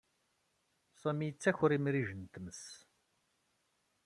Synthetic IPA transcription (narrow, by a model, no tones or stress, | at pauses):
sˤæmijət͡sːæçʊɾimɾiʒənt̪məs